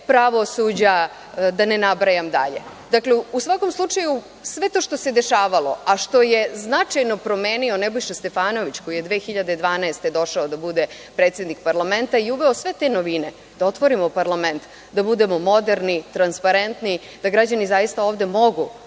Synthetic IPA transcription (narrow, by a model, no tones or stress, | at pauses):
pɾaʋo̞sud͡ʑa | d̪anenabɾajamd̪a̰ʎḛ | d̪akleusʋako̞mslˠut͡ʂaju | sʋe̞t̪o̞ːʃt̪ose̞d̪e̞ʃaːʋalo̞̰aʃt̪o̞jeznat͡ʃajno̞pɾo̞meːnio̞nebojʃest̪e̞faːno̞ʋit͡ɕko̞jije̞d̪ʋe̞ːxiʎad̪ed̪ʋaːnaest̪e̞d̪o̞ʃaod̪abud̪e̞ | pɾet̪sje̞d̪nikpaɾlˠame̞nt̪aiuʋeosʋe̞t̪e̞noʋine | d̪ao̞t̪ʋo̞ɾimopaɾlament̪ | d̪abud̪e̞mo̞mo̞d̪eɾnit̪ɾanspaɾe̞nt̪ni | d̪̥aɡɾad͡ʑanizajist̪aoːʋd̪e̞mo̞ɡu